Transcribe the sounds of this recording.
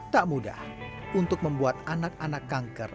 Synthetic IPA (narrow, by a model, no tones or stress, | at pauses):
t̪aʔmuda̰h | unt̪ʊk̚məmbuat̪̚anak̚anakːaŋkər